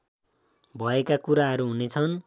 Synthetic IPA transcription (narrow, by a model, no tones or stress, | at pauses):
bʱʌekakuɾaɦʌɾuɦunet͡sʰʌn